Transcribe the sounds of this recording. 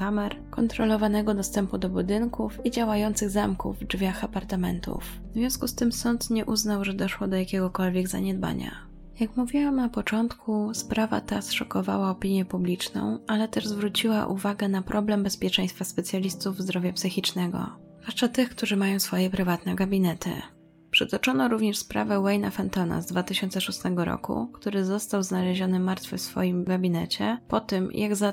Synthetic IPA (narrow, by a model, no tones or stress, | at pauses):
kamɛɾ | kɔnt̪ɾɔlɔvanɛɡɔd̪ɔst̪ɛmpud̪ɔbud̪ɘŋkufid͡ʑawajɔnt̪sɘɣzamkṵvːd͡ʐvʲjaxapaɾt̪amɛ̰nt̪ṵf | zvjɔ̃w̃skust̪ɘmsɔnt̪ɲɛʔuznawʐɛd̪ɔʂwɔd̪ɔjakʲɛɡɔkɔlvʲjɛɡza̰ɲɛd̪ba̰ɲa̰ | jakmuvʲiwamnapɔt͡ʂɔnt̪kʰuspɾava̰t̪asʂɔkɔva̰waɔpʲiɲjɛpublʲit͡ʂnɔ̰̃w̃alɛt̪ɛʐzvɾut͡ɕiwaʔuvaɡɛnapɾɔblɛmbɛspʲjɛt͡ʂɛ̃j̃st̪faspɛt̪sʲjalʲist̪uvzd̪ɾɔvʲjapsɘxʲit͡ʂnɛɡɔ̰zvwaʂt͡ʂat̪ɘxkt̪uʐɘmajɔ̃w̃sfɔjɛpɾɘvat̪nɛɡabʲinɛt̪ʰɘ̰ | pʂɛt̪ɔt͡ʂɔnɔɾuvɲɛʂspɾa̰vɛwɛjnafɛnt̪ɔna̰zd̪vat̪ɘɕɔnt̪sɛʂust̪ɛɡɔɾɔ̰kṵkt̪uɾɘzɔst̪awznalɛʑɔnɘmaɾt̪fɘfsfɔ̰jimɡabʲinɛt͡ɕɛpɔt̪ɘmjʔaɡza